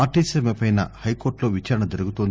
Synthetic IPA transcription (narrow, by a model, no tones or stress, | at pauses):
aːɾʈisemepɐjnɐhɐjko̞ːɾʈlo̞ːʋit͡ʃaːɾɐɳɐd͡ʒ̪ɐɾuɡut̪ond̪